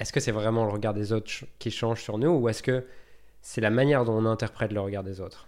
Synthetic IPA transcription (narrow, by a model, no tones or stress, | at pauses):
ɛskəsɛvʁɛmɑ̃ləʁəɡaʁd̪ezot̪χkʲiʃɑ̃ʒsyʁnuːɛskə | sɛlamanjɛʁd̪ɔ̃ɔ̃nɛ̃t̪ɛʁpχɛt̪ləʁəɡaʁd̪ezoːt̪χ